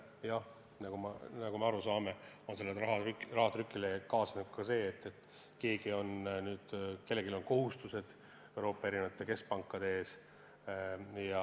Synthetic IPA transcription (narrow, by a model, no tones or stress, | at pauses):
jɑ | nɑɡ̥omɑnɑɡumeɑɾusɑːme̞o̞nse̞lːerɑɦɑkrɑɦɑt̪rykːˑilekɑːsnut̪̚kɑse̞ːt̪ːe̞t̪ːˑ | ke̞ːɡio̞nnyːd̪̥ke̞lːeɡilo̞nko̞ɦust̪use̞d̪̥ | ewɾo̞ːpːˑɑeɾinɑt̪ːˑe̞ke̞sk̚pɑŋkːˑɑd̪eeːs | jɑ